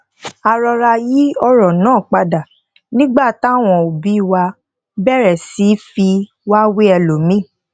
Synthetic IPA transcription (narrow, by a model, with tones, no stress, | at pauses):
a˨ɾɔ˧ɾa˧ji˦ɔ˧ɾɔ̃˨nãː˦˨k͡pa˧da˨ | nĩ˦ɡ͡ba˦˨ta˦˨w̃ɔ̃˧o˨bi˨˦i˦˨wa˧ | bɛ˦˨ɾɛ˨si˨˦fi˧ | wa˦wi˦ɛ˧lo˨mĩ˦˨